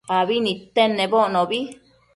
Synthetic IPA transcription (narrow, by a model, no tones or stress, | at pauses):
aβinĩt̪enːẽβoʔnõβi